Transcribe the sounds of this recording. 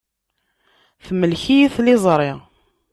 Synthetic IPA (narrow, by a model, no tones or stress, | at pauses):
θməlçijiθlɪzˤɾˤɪ